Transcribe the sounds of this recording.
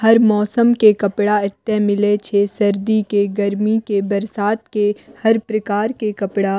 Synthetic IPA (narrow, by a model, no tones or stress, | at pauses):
hɐɾmɔːsəmkekɐpɽaɪt̪ːemɪlet͡ʃʰesɐɾd̪ikeɡɐɾmikebɐɾsaːt̪kehɐɾpɾɐkaːɾkekɐpɽaː